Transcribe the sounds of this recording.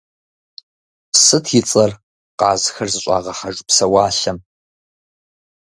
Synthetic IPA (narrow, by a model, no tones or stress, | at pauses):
psɨtʰjɪt͡sʼɐr | qɑːzxɐrzɨɕʷʼɑ̰ːʁɐħaʒpsɐwaːɬɐm